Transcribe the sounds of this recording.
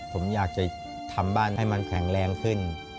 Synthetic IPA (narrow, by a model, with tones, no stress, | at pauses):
pʰo˩˦mjaː˨˩k̚t͡ɕa˨˩ | t̪ʰa˧mbaː˥˩nːa˥˩jma˧nkʰɛ˩˦ŋɾɛː˧ŋkʰɯ˥˩n